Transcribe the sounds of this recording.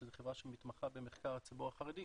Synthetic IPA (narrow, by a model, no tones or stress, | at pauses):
zeχevʁaʃemit̪maχabe̞meχkaʁhat͡sibuʁaχaʁed̪i